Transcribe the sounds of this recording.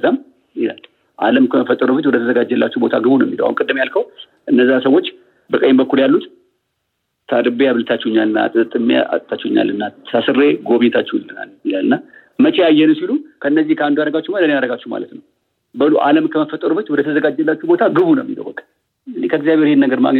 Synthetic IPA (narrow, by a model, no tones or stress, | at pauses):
zam | jɪla̰l | ʔa̰ləmkʰəməfət̪ʼːəɾubət͡ʃːwɔd̪ət̪ʰəzəɡad͡ʒːɛlːat͡ʃːɛubo̞t̪ʰaɡɨβunəwmiləwa̰nkʼɨd̪ːɨmjalkʰəw | ʔɨnːəzːasəwo̞t͡ʃː | bəkʼəjmbəkːuljalːut̪ | t̪ʰad̪ɨbeaβlɨt̪ʰat͡ʃːɛhɲːalɨnːa̰t̪ʼɨt̪ʼɨmːḛa̰t̪ʼt̪ʰːat͡ʃːɛɲːa̰lːɨnːasʰasɨrːe̞ɡo̞βiɲːɛt̪ʰat͡ʃːɛwlɨna̰ljɪlalːɨnːa | mət͡ʃeajːɛnəsilukʰəɨnːəzːihkʰəand̪ujaɾəɡat͡ʃːɛumalənjaɾəɡat͡ʃːuhma̰lət̪nəw | bəluʔa̰ləmkʰəməfət̪ʼəɾubət͡ʃːwɔd̪ət̪ʰəzəɡad͡ʒːɛlːat͡ʃːubo̞t̪ʰaɡɨβunəwmːḭlə̰wbəkʼːa | ɨnikʰəɡzijaβheɾienːəɡəɾma̰ɡɲ